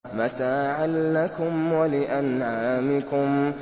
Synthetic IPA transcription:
mat̪aːʕalːakʊmwalɪʔanʕaːmɪkʊm

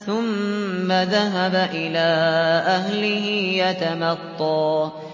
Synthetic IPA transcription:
θʊmːaðaɦabaʔɪlaːʔaɦlɪhɪjat̪amɑt̪ˤːɑː

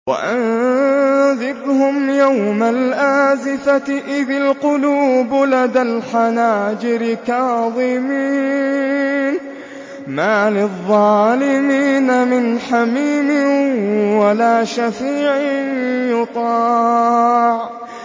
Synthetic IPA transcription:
wa̰ʔan | zɪbhʊmjawmalʔaːzɪfaʔɪðalqʊluːblad̪alħanaːd͡ʒɪɾɪkaːðˤɨmiː | n | maːlɪðˤːɑːlɪmiːnamɪnħamiːmɪ | walaːʃafiːʕɪnjʊt̪ˤɑː | ʕ

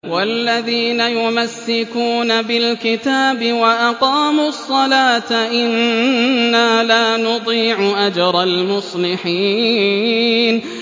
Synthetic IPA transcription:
walːaðiːnajʊmasːɪkuːnabɪlkɪt̪aːbɪwaʔɑqɑːmʊsˤːɑlaːt̪aʔɪnː | aːlaːnʊd̪ˤiːʕʊʔad͡ʒɾˤɑlmʊsˤlɪħiː | n

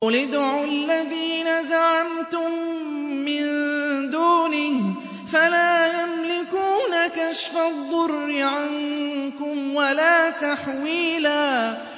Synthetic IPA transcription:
lɪd̪ʕʊlːaðiːnazaʕamt̪ʊmː | ɪnd̪uːni | falaːjamlɪkuːnakaʃfaðˤːʊrːɪʕankʊmwalaːt̪aħwiːlaː

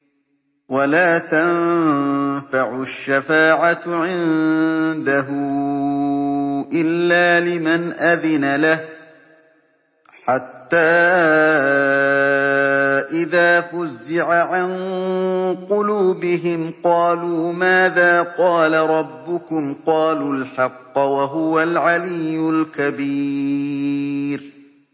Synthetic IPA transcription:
walaːt̪an | faʕʊʃːafaːʕat̪ʕɪnnd̪aɦʊ | ʔɪlːaːlɪmanʔaðɪnalah | ħat̪ːaː | ʔɪðaːfʊzːɪʕaʕan | qʊluːbɪɦɪmqɑːluːmaːðaːqɑːlaɾˤɑbːʊkʊmqɑːluːlħɑqːwaɦʊwalʕalɪjːʊlkabiː | ɾ

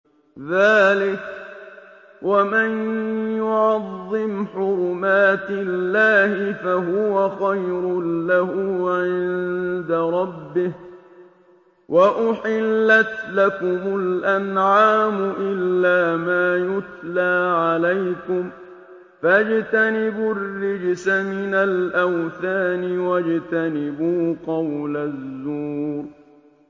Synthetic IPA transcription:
ðaːlɪk | wʔamɪnjʊʕʕɑðˤːɨmħʊɾʊmaːt̪ɪlːaːhɪfaɦʊwaxajɾʊlahʊːʕɪnd̪aɾˤɑbːɪh | wʔaʔʊħɪlːat̪lakʊmʊlʔanʕaːmʊʔɪlːaːmaːjʊt̪laːʕalajkʊm | fad͡ʒt̪anɪbʊrːɪd͡ʒsamɪnalʔawθaːnɪwad͡ʒt̪anɪbuːqɑwlazːuːɾ

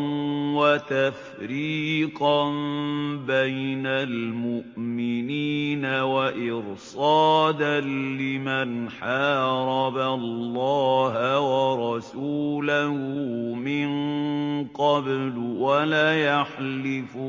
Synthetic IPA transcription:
nwat̪af | ɾiːqɑnbajnalmʊʔmɪniːnawaʔɪɾsɑːd̪anlɪmanħɑːɾˤɑballːɑːɦwɑɾˤɑsuːlahʊmɪn | qɑblwalaːjaħlɪf

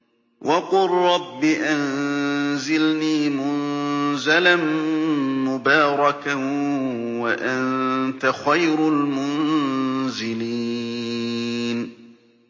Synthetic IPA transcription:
wʔɑqʊrˤːɑbːɪʔan | zɪlniːmʊnzalan | mʊbaːɾˤɑka | waʔannt̪axajɾʊlmʊn | zɪli | n

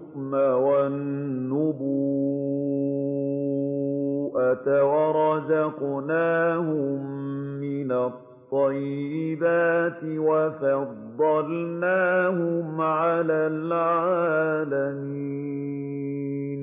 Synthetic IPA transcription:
kmawanːʊbu | ʔat̪awɑɾˤɑzɑqnaːhʊmːɪnat̪ˤːɑjːɪbaːt̪ɪwafɑd̪ˤːɑlnaːhʊmʕalaːlʕaːlamiiː | n

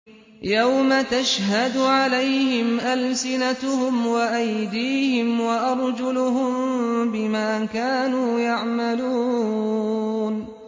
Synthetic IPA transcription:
jawmat̪aʃhad̪ʊʕalajhɪmʔalsɪnat̪ʊhʊmwaʔajd̪iːhɪmwaʔɑɾˤd͡ʒʊlʊɦʊmbɪmaːkaːnuːjaʕmaluː | n

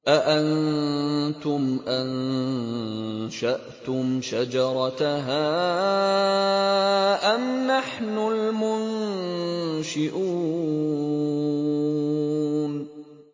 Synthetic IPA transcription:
ʔaʔan | t̪ʊmʔan | ʃaʔt̪ʊmʃad͡ʒɑɾˤɑtɦaː | ʔamnaħnʊlmʊn | ʃɪʔuː | n

